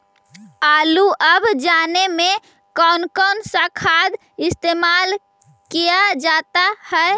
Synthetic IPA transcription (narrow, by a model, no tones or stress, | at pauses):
aːluʔəbd͡ʒanemẽ | kɔːnkɔːnsakʰad̪ | ɪst̪emal | kijad͡ʒat̪ahɛe